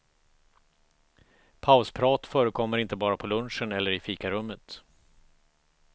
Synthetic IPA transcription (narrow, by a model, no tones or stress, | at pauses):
pʰaʊspʰɾɑːt̪fœːɾəkʰɔmːəɾɪnt̪əbɑːɾapʰɔlɵnʂənɛlːəɾɪfiːkaɾɵmːət̪